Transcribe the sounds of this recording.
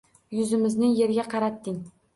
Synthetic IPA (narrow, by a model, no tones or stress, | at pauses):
jʊzɪmɪznɪje̞ɾɡʲaqʰɑɾat̪ːɪŋ